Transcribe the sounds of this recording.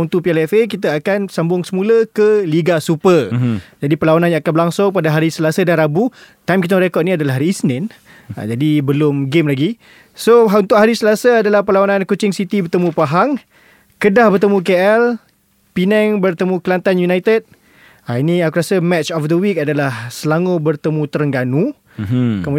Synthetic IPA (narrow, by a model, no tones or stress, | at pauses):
unt̪upiɛlɛfek̬it̪̬aakansambʊŋsəmũləkəliɡasupəd͡ʒadipəlawananjãŋakanbəɾlaŋsʊŋpadaɦaɾisəlasədanɾabut̪ajmkit̪əməɾekɔt̪̚nĩadalaɦaɾiːsnɛn | a̰d͡ʒadibəlʊmɡemlaɡi | soɦunt̪ʊʔhɦaɾisəlasaadalahpəlawanãnkut͡ʃɪŋsit̪ibərt̪əmũpaɦaŋ | kədahbərt̪əmũkeɛl | pinɛŋbərt̪əmũkəlant̪anjunajt̪əd̚ | ainiakuɾasəmɛtt͡ʃɔfd̪əwikadalahsəlaŋubərt̪əmũt̪əɾəŋɡanũ | kəmu